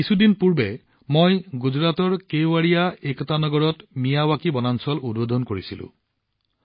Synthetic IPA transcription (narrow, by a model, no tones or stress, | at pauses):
kisudinpuɹbɛ | mojɡuzɹatɔɹkejwaɹijaekɔtanɔɡɔɹɔtmijawakibɔnansɔludbodʱɔnkoɹisilʊ̰̃